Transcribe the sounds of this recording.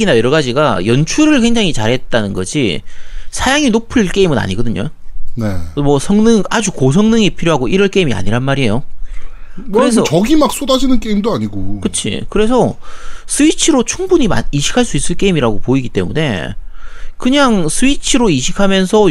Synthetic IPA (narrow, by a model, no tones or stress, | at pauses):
inajʌɾʌɡad͡ʑiɡajʌnt͡ɕʰuɾɯɭkwe̞ŋd͡ʑaŋit͡ɕaɾɦe̞t̚t͈anɯnɡʌd͡ʑisʰajaŋinopʰɯɭk͈e̞imɯna̰ɲiɡʌdɯɲo̰ne̞mwʌsʰʌŋnɯŋad͡ʑukos̬ʰʌŋnɯŋipʰiɾjoɦaɡoʔiɾʌɭk͈e̞imia̰ɲiɾanmaɾiejo | kɯɾesʰʌʌɡimak̚s͈odad͡ʑinɯnk͈e̞imdoaɲiɡokɯt͡ɕʰḭkɯɾe̞s̬ʰʌsʰɯit͡ɕʰɯɾot͡ɕʰuŋbuɲima̰niɕʰi̥kʰaɭs͈uis͈ɯɭk͈e̞imiɾaɡopoiɡit͈e̞mune̞ | kɯɲaŋsʰɯit͡ɕʰɯɾoiɕʰikʰamjʌnsʰʌ